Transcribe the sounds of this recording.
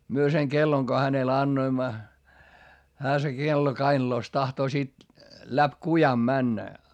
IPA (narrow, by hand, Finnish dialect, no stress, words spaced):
myø seŋ kelːoŋ ko hænel ɑnːoimːɑ hæː se kelːo kɑinɑ̆loˑs tɑhtoː sit læp kujɑm mænːæ